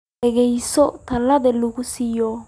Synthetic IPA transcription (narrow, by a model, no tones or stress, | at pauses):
ɛɡɛjsɔt̪ɐlːɐd̪ɛlːʊkʊsɪjɔ